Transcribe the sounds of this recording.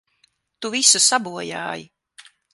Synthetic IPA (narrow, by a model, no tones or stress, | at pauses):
t̪uvisusabuɔja̰ːji